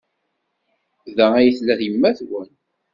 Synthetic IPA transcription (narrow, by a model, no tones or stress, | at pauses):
ðææjəθlæðjəmːæθwən